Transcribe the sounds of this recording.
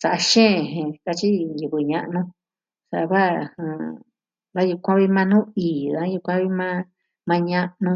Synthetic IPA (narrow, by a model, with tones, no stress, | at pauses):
sa˨ʔa˧ʃẽː˦˨ɦẽ˧ka˧t͡ʃi˦ju˧˨βɨ˨ɲã˧ʔnũ˧˦ | sa˨˧βa˦˨hã˨ | βa˦ju˧kʷã˦βi˦mã˧nũː˦iː˨ða˦ju˧kʷã˦βi˦mã˦ | mã˧ɲã˦˧ʔnũ˧